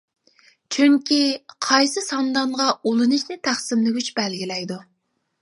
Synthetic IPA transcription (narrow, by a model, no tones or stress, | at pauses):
t͡ʃʰyŋkʲiqʰɑjsɨsɑnd̪ɑɴʁɑolˠɨnɨʃnɪt̪ʰæχsɪmlɪɡʲyt͡ʃbɛlɡʲilɛjd̪u